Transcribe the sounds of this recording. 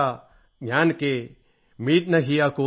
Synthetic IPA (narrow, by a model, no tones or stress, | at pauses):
a | ɡjaːnke | miːt̪̚nɐɦijakoː